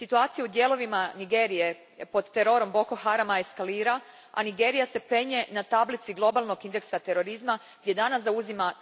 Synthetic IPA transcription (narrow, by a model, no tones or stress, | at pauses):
sit̪uaːt̪sijud̪je̞ːlo̞ʋimaniɡeːɾije̞ | po̞d̪t̪eɾoɾo̞mbo̞koxaɾamaeskaliːɾa | a̰niɡe̞ːɾijase̞pɾe̞ɲe̞nat̪ablit̪siɡlˠo̞balˠno̞ɡind̪e̞ksat̪e̞ɾo̞ɾizma | ɡd̪je̞d̪anasauzima